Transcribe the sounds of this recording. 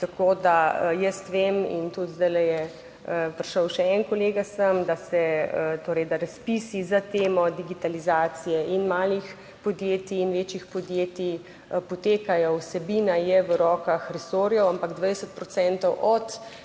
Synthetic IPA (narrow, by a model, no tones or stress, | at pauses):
t̪akoːd̪ajəst̪ʋemḭnt̪ut̪zd̪ajlɛjɛ | əpɾʃəwʃɛɛnkɔleːɡasəmd̪asɛət̪oːɾəjd̪aɾaspisizat̪eːmɔd̪iɡit̪alizaːt̪sijɛʔinmaːlix | pɔd̪jeːt̪iːnʋeːt͡ʃixpɔd̪jeːt̪i | pɔt̪eːkajɔwsɛbiːnajɛʋəɾɔːkaxɾɛsoːɾjɔwampaɡd̪ʋajdsət̪̚pɾɔsɛnt̪ɔwʔɔt̪